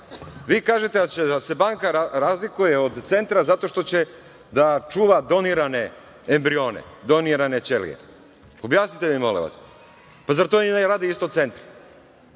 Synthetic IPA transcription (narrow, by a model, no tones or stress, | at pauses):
ʋiːkaːʒet̪ed̪at͡ɕed̪ase̞baːŋkaaɾazlikuje̞od̪t̪se̞nt̪ɾazat̪o̞ʃt̪o̞t͡ɕe̞ | d̪at͡ʃuːʋad̪o̞niɾane̞ | embɾio̞ːnḛd̪o̞niɾane̞t͡ʃelḭjḛ | o̞bjaːsnit̪emimo̞lḛʋa̰s | pazaɾt̪oineɾaːd̪iist̪ot̪se̞nt̪ɾa